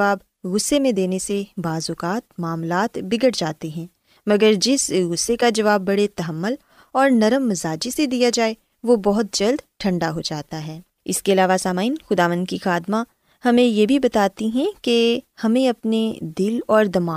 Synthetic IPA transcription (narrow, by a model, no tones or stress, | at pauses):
aːb | ɣʊsːemẽd̪eːnesebaːzʊkaːt̪maːmlaːt̪bɪɡəɽd͡ʒaːt̪iɦɛ̃ː | mɐɡəɾd͡ʒɪsɣʊsːekad͡ʒɐʋaːbːɐɽet̪ɐɦəmːʊl | ɔːɾnɐɾəmːɐzaːd͡ʒised̪ijad͡ʒaːe | ʋobɔɦʊt̪̚d͡ʒɐld̪ʈʰɐ̃ɳɖaɦod͡ʒaːt̪aɦɛː | ɪskeɐlaːʋasaːmaːinxʊd̪aːʋə̃nd̪̚kixaːd̪ma | hɐmẽjebʱibɐt̪aːt̪iɦɛ̃kehɐmẽɐpned̪ɪlɔːɾd̪ɐmaː